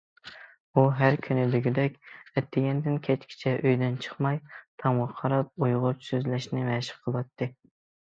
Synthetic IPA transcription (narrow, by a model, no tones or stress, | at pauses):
uɦæɾkʲʰynɪb̪ɪɡʲɪd̪ɛkʲɛt̪ʰːɪɡʲɛnd̪ɪnkʲʰɛt͡ʃkʲʰi̥t͡ʃʰɛʔøjd̪ɛnt͡ʃʰə̥χmɑjt̪ʰɑmwɑqʰːɑɾɑp̚ujʁʊpsøzlɛʃnɪmɛʃɪ̥χqʰəlˠwɑt̪ʰːɨ